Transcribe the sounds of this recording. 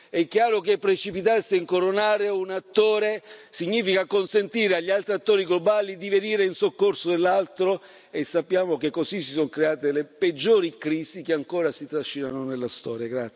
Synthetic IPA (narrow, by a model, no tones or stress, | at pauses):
ɛkːjaːɾokepːɾet͡ʃipit̪arsiiŋkoɾonaːɾeunat̪ːoːɾesiɲːiːfikakonsent̪iːɾeaʎːialt̪ɾiat̪ːoːɾiɡlobaːlid̪iveniːɾeinsokːorsod̪elːalt̪ɾo | esːapːjaːmokekːosisːisoŋkɾeaːt̪eleped͡ʒːoːɾikɾiːsikeaŋkoːɾasit̪ɾaʃːinanonelːast̪ɔːɾjaɡɾat̪s